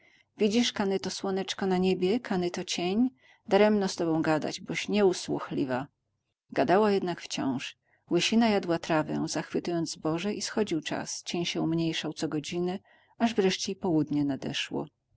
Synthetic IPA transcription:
vʲid͡ʑiʂkanɛt̪ɔswɔnɛt͡ʂkɔnaɲebʲjɛkʰanɛt̪ɔt͡ɕeɲ | d̪aɾɛmnɔ̃st̪ɔbɔ̃w̃ɡad̪a̰d͡ʑbɔɕɲɛuswṵxlʲiva | ɡad̪awajɛd̪nakft͡ɕɔ̰̃w̃ʂ | wɘɕinajad̪wat̪ɾavɛ̰z̥axfɘt̪ujɔnd̪zbɔʐɛʔisxɔd͡ʑiwt͡ʂa̰st͡ɕeɲɕɛumɲejʂawt̪sɔɡɔd͡ʑinɘ | aʐvɾɛʂt͡ɕɛipɔwud̪ɲɛnad̪ɛ̰ʂwɔ̰

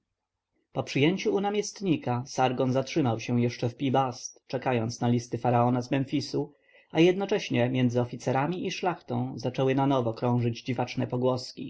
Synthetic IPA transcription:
pɔpʂɘjɛɲt͡ɕuːnamʲɛst̪ɲikasaɾɡɔnzatʂɘmawɕɛ̃jɛʂt͡ʂɛfpʲibast̪t͡ʂɛkajɔnt̪snalʲist̪ɘfaɾaɔnazmɛnfʲisu | ajɛd̪nɔt͡ʂɛɕɲɛmʲjɛndzɘɔfʲit̪sɛɾamʲiʔiʂlaxt̪ɔ̃w̃zat͡ʂɛwɘnanɔvɔkɾɔ̃w̃ʐɘd͡ʑd͡ʑivat͡ʂnɛpɔɡwɔskʲḭ

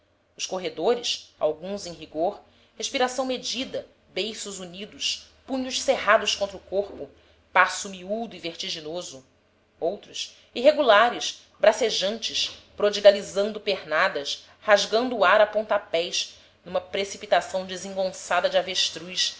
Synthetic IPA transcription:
ʊʃkoɦed̪oɾɪʃa̰wɡũzẽj̃ɦiɡoɾ | heʃpiɾasɐ̃w̃med͡ʒid̪ɐ | bejsuzunid̪ʊʃpũɲʊʃseɦad̪ʊʃkõnt̪ɾʊkoɾpʊ | pasumiud̪ʊiveχt͡ʃiʒinozʊ | owt̪ɾʊs | iɦeɡulaɾɪʃ | bɾaseʒɐ̃nt͡ʃɪʃpɾod͡ʒiɡalizɐ̃nd̪ʊpehnad̪ɐʃ | haʒɡɐ̃nd̪ʊːaɾapõnt̪apɛjʃ | nũmɐpɾesipit̪asɐ̃w̃d͡ʒizẽŋɡõsad̪ɐd͡ʒɪaveʃt̪ɾujʃ

